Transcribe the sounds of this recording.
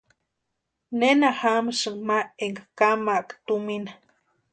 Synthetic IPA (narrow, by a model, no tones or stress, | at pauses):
nenahaməʂɨŋmaeŋɡakamaʔkt̪uminḁ